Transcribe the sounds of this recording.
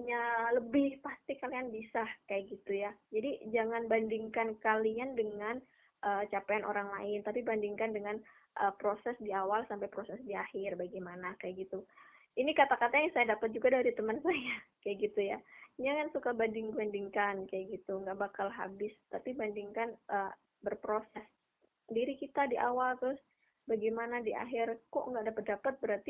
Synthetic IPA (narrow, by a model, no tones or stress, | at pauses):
ɲaləbɪhpast̪ɪkalianbisahkajaʔɡit̪ujad͡ʒadid͡ʒaŋanbandiŋkankaliandəŋan | ʔəːt͡ʃapajanʔo̰ɾaŋla̰ɪnt̪apibandiŋkandəŋan | ʔəpɾosɛsdiawalsampajpɾosɛsdiahɪrbaɡamanakajaʔɡit̪u | inikat̪akat̪ajaŋsajadapət̪̚d͡ʒuɡadaɾit̪əmənsajakajaʔɡit̪ujaɲakansukabandɪŋbandiŋkankajaʔɡit̪uŋɡaʔbakalɦa̰bɪst̪apibandiŋkanʔə | bərpɾosɛs | diɾikit̪adiʔawalt̪ɾʊs | baɡajmanadiʔa̰ɦɪrkɔ̰ʔŋɡadapət̪̚dapat̪̚bəɾart̪i